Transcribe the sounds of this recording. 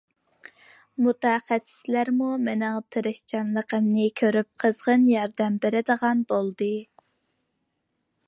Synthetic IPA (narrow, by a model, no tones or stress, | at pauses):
mut̪ɛχæsːɪ̥slæɾmumenɪŋt̪ʰɨɾɪkt͡ʃʰɑnlˠəqəmnɨkʲʰøɾyp̚qʰəzʁənjɑɾd̪ɛmbeɾɪd̪əʁɑnbolˠd̪ɨ